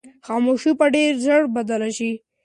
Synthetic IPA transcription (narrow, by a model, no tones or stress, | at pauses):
xɑmoʃipaɖeɾzəɽbad̪alaʃi